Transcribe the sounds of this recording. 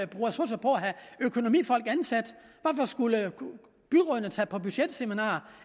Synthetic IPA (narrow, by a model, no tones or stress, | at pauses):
b̥ʁuːæsosɐpʰɒ̽æɦæøkʰo̝no̝mḭːfɒ̽l̰ɡ̥ænsæd̥ʋæfɒsɡ̥ulə | b̥yʁɔɐnət͡sʰɛpʰɒ̽b̥yɕed̥seminɑ̰̈ːɐ